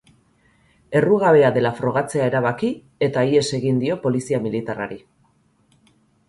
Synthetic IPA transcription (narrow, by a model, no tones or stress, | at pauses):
e̞ruɣaβe̞aðe̞lafɾo̞ɣ̞at͡se̞ae̞ɾaβ̞aki | e̞t̪aie̞se̞ɣind̪io̞po̞lisiamilit̪ara̰ɾi